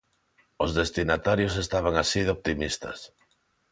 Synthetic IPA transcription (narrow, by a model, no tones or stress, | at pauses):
ozðest̪inat̪aɾjosest̪aβ̞aŋasiðoβt̪imist̪ɐ̰s